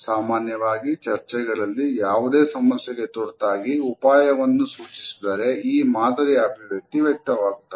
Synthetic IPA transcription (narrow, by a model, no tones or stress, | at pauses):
saːmaːnjɐʋaːɡit͡ʃɐɾt͡ʃɛɡɐɭɐlːijaːʋud̪e̞ːsɐmɐsjɛɡe̞t̪oɽt̪aːɡiupaːjɐʋɐnːusuːt͡ʃi̥sid̪ɐɾe̞iːmaːd̪ʱɐɾiaːbileʈːiʋɛk̚t̪ɐʋaːɡut̪ːɐ